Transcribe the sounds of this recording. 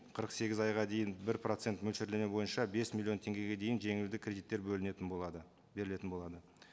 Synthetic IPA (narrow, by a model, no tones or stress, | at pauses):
qʰəɾəqse̞ɡʲɪzɑjʁɑd̪e̞jɪnbɪɾpro̞t̪se̞nt̪mɵlʃeɾlemebo̞jənʃɑbe̞smʲilʲˠːio̞nt̪ʰe̞ŋɡʲe̞ɡʲe̞d̪e̞jɪnʒe̞ŋɪld̪ɪkʰʲrʲe̞d̪it̪ːe̞ɾbɵlnˠɑd̪ə | be̞ɾɪle̞t̪ɪnbo̞lˠɑd̪ə